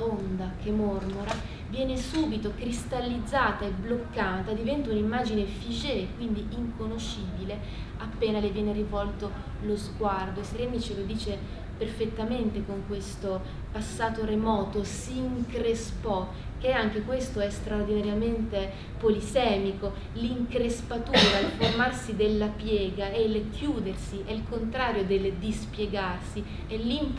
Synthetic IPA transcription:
aond̪akʰemormoɾa | vjɛːnesuːbit̪okɾist̪alːid̪zːaːt̪aeblokːaːt̪ad̪ivɛnt̪aunimːaːd͡ʒinefid͡ʒekwind̪iiŋkonoʃiːbile | apːeːnalevjɛːneɾivɔlt̪o | lozɡward̪oeseɾɛmit͡ʃelod̪iːt͡ʃe | perfet̪ːament̪ekoŋkwest̪o | pasːaːt̪oremɔːt̪osiŋkɾespɔ | keaŋk̟ekwest̪oɛst̪ɾaord̪inaɾjament̪e | polisɛːmiko | liŋkɾespat̪uːɾaelformarsid̪elːapjɛːɡaeilkʰjuːd̪ersiʔɛilkont̪ɾaːɾjod̪eld̪ispjeɡarsi | ɛlːim

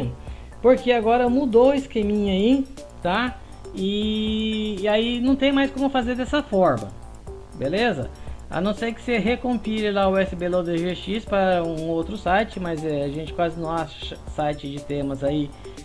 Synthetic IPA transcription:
poɾkeaɡɔɾɐmud̪owɪskemĩɲai | t̪a | ɪː | ainɐ̃w̃t̪ẽj̃majskõmʊfazeɾd̪ɛsɐfɔɾmɐ̰ | belezɐ̰a̰nɐ̃w̃sejkɪ̥seɦekõpilɪlaʊɛsɪbelod̪eʒeʃispɐũũowt̪ɾʊsajt͡ʃɪmɐzɛaʒẽnt͡ʃɪkwazɪnɐ̃w̃aʃʃɐsajt͡ʃɪd͡ʒɪt̪ẽmɐzai

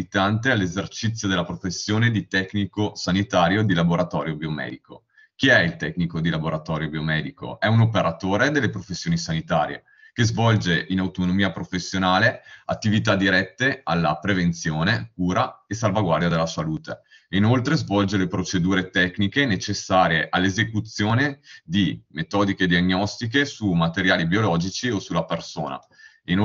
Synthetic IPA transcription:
it̪ant̪ealːezert͡ʃit̪sːjod̪elːapɾofesːjoːned̪it̪ɛknikosanit̪aːɾjod̪ilaboɾat̪ɔ̰ːɾjobiomɛ̰ːd̪iko | k̟iɛilt̪ɛknikod̪ilaboɾat̪ɔːɾjobiomɛːd̪iko̰ɛunopeɾat̪oːɾed̪elːepɾofesːjoːnisanit̪a̰ːɾjḛ | kezvɔld͡ʒeʔinawt̪onomiːapɾofesːjonaːleat̪ːivit̪ad̪iɾɛt̪ːealːa̰pɾevent̪sjoːnek̚uːɾaesalvaɡward̪jad̪elːasaluːt̪ḛ | inolt̪ɾezvɔld͡ʒelepɾot͡ʃed̪uːɾet̪ɛknikenet͡ʃesːaːɾjeʔalːezekut̪sːjoːned̪imet̪ɔːd̪iked̪ianːɔst̪ik̬esumat̪eɾjaːlibiolɔːd͡ʒit͡ʃiosulːapersoːna̰ | in

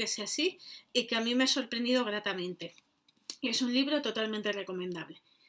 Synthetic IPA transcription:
eseasiikeamĩmeaso̞ɾpɾend̪iðo̞ɣ̞ɾat̪amẽ̞nt̪e̞ | e̞sunliβ̞ɾo̞t̪o̞t̪alment̪e̞re̞ko̞mẽnd̪aβle̞

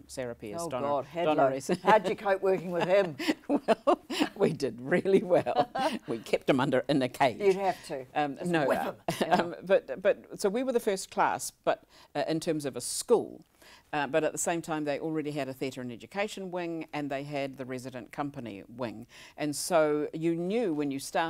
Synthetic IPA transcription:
sɛɹɨpiɨsd̥dɔnəisɨd͡ʒɨkʰoʊʔwɜˑ˞kɪ̃ŋwɪð̥ɪ̃mwɛllˠwidɨd̚ɹɪlˠiwɛlˠwikʰɛp̚t̚ɨ̃mʌ̃ndə˞ʔɨ̃nɨkʰeɪɨhæftʰɨʌnoʊʌb̥ʌt̚b̥ʌt̚soʊwiwə˞ðɨfɜ˞skʰl̥æ̰sb̥ʌɾ | ʔɨ̃ntʰɜ̃˞mzʌvəskṵlˠ | ʌbʌɾɨt̪̚ðəsẽɪ̃mtʰãɪ̃mðeɪʔl̩ˠɹɛɾiɨɾɨθiɨɾə˞ɨ̃nɛd͡ʒɨkʰeɪʃɨ̃n̩wɪ̃ŋɨ̃nðeɪɨd̪̚ðɨɹɛzɨɾɨ̃nkʰʌ̃mpɨnḭwɪ̰̃ŋʔɨ̃nsoʊjɨnjʉwɨ̃njɨstɑˑ

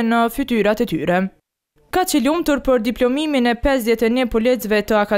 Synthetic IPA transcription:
nəfyt̪yɾat̪ɛt̪yɾɛ | kat͡ʃəlumt̪uɾpəɾd̪iplɔmiminɛpɛsd̪ðjɛt̪ɛnɛpɔlɛt͡svɛt̪əaka

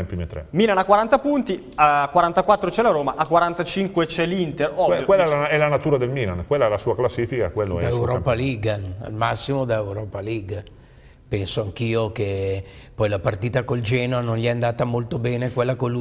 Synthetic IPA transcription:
ɛmpɾimet̪ːɾɛ̰miːlanakwaɾant̪apunt̪i | akːwaɾant̪akwat̪ːɾot͡ʃɛlaɾoːmaʔakːwaɾant̪at͡ʃiŋkwet͡ʃɛlint̪erɔjkwelːɛɛlanat̪uːɾad̪elmiːlankwelːaɛlasuːaklasːiːfikakwelːodɛd̪aewɾɔpaliɡaa̰lmasːimod̪aewɾɔːpaliɡ | pɛnsoaŋk̟iːok̟epɔjlapart̪iːt̪akold͡ʒɛːnoanonʎɛand̪aːt̪amolt̪obɛːnekwelːakolːu

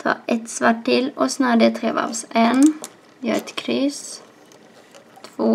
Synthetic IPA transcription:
t̪ʰɑ̰ːʔɛt̪sʋɑːʈɪlʔoːsnɑːɖ̪ɛt̪ʰʁḛːʋɑ̰ʋseːn | jø̰ːɾɛt̪kʰɾyːs | t̪ʰʋoː

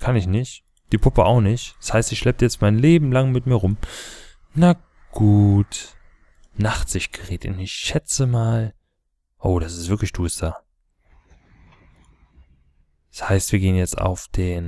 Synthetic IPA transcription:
kʰanɪçnɪçt | d̥iːpʰʊpəaʊxnɪçtshaɪstɪçʃlɛp̚təjɛt͡st̚maɪnleːbm̩laŋmɪtmiːɐʁʊm | na | ɡ̥uːt | naχtz̥ɪçtɡ̥əʁeːtɪ̰ɪçʃɛt͡səmaːl | ʔoːɾasɪstv̥ɪɐklɪçd̥uːsd̥aː | shaɪstv̥iːɐɡeːənjɛt͡sta̰ʊfd̥eːn

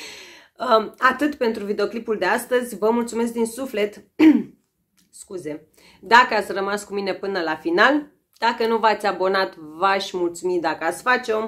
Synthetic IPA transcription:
əat̪ɨt̪pe̞nt̪ɾuvid̪eo̞klipuld̪e̞ast̪əzʲvəmult̪sume̞s̬k̚d̪insufle̞t̪ | skuze̞ | d̪akəat̪sʲrəmaskumine̞pɨnəlafinal | d̪̥akənuvat̪sʲabo̞nat̪vaʃʲmult̪sumid̪akəat̪sʲfat͡ʃeom

